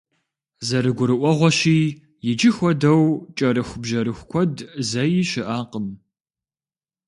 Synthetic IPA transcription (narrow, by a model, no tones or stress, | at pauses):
zɐɾɨɡʷʊɾɨʔʷɔʁʷɔɕiː | jɪd͡ʒɪxʷɔdɐwt͡ʃʼɐɾɨxʷʊbʒɐɾɨxʷkʷʰɔdzɐjɪɕɪʔaːqəm